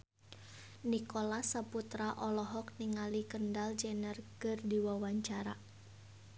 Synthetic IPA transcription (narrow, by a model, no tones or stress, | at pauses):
nikolasaput̪ɾaʔɔlɔɦɔk̚niŋalikəndald͡ʒɛnərkərdiwawaɲt͡ʃaɾa̰